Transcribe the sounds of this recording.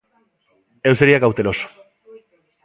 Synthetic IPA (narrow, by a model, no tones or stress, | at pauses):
e̞wseɾiakawt̪eɾo̞s